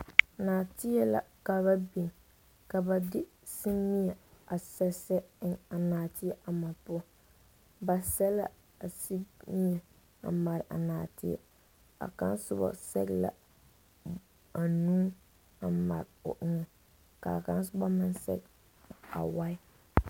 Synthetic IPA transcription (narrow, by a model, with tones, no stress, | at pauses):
naː˨tɪ˦ɛ˦la̰˨ka˨ba˦bi˨ŋ | ka˨ba˨dɪ˦ | si˦mi˦ɛ˨a˨sɛ˦sɛ˦ɪ˦˨ŋa˨naː˨tɪ˦ɛ˨ʔa˨ma˨pʊ˦ | ba˨sɛ˦la˦ | a˨si˦mi˦ɛ˨ | a̰˨ma˨ɾɪ˨ʔa̰˨naː˨tɪ˦ɛ̰˨ | a̰˨ka˦nsʊ˦bɔ̰˨sɛ̰˦ɣla̰˨ | a˨nũː˦ | a˨ma̰˨ɾɪ˨ʊ̰˨ʔɪ˦ŋɛ˨ | ka˨ka˦n˦sʊ˦ba˦mɪ˦nsɛ̰˦ɡ | a̰˨wa˦ɪ˦